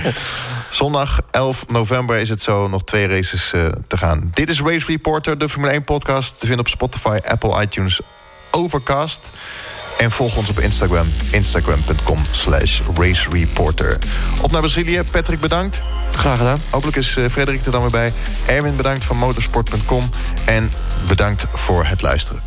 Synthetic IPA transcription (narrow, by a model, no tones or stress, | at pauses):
z̥ɔndɑχɛlˠfnowvɛmbəɹɪs̬ətsownɔχtʋejrejsəstəχa̰ːndɪtɪs̬ɹejsɹipɔɹtəɹdəfɔɹmyləejnpɔtkɑːstːəvɪndəɔpspɔtifajʔɛ̰pəlˠʔɑ̰jtjuns | owvəɹkɑːst | ɛnv̥ɔlˠχəɔnsɔpɪ̰nstaɡɹamɪnstaɡɹa̰mpɵntkɔmslɛ̰ʃɹejsɹipɔ̰ɹtə̰ɹʔɔfnaɹbrazilijəpɛtrɪɡ̚bədɑŋk̚t | χraːχədaːnɦowp̬ələkɪsfrejdərik̚dədɑɹmʋɪːbɛj | ʔɛɹvɪnbədɑŋktfɑnmowtəɹspɔɹt̚pɵntkɔm | ʔɛn | bədɑŋk̚t | fʊːɹɦətlœ̰ɥstərə̰